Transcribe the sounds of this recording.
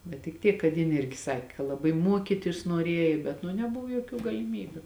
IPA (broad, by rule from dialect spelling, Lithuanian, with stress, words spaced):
bʲɛt tʲɪk ˈtʲiɛk kɐt ˈjɪn ˈɪrʲɡʲɪ ˈsɑːkʲɪ kɐ lˠɐˈbɐɪ muɔˈkʲiːtʲɪs nuɔˈrʲeːjɪ bʲɛt nʊ nʲɛˈbʊʋoː joːˈkʲuː ɡɐlʲɪˈmʲiːbʲʊ